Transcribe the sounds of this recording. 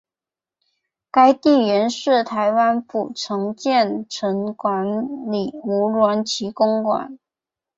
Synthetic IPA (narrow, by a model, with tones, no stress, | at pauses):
ka˥ɪt̪i˥˩ɥɛ˧˥nʂɻ̩˥˩t̪ʰa˧˥ɪwa˥npu˨˩ʈ͡ʂʰɤ˧˥ŋt͡ɕjɛ˥˩nʈ͡ʂʰə˧˥nkwa˧˥nli˨˩u˧˥lwa˧˥nt͡ɕʰi˧˥kʊ˥ŋkwa̰˨˩˦n